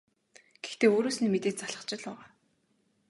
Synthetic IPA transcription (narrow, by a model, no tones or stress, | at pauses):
ɡ̥e̥xt̪eːoːɾoːsnimet̪eːt̪t͡saɮə̆t͡ɕɪ̆ɮaːʁaː